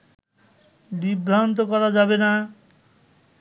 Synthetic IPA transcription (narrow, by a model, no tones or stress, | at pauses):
bibɾant̪̬okɔɾad͡ʑabena